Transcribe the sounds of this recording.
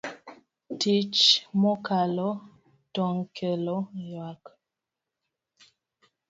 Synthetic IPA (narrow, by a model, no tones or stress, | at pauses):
tit͡ʃmɔkalɔ | tɔŋkʰɛlɔjwak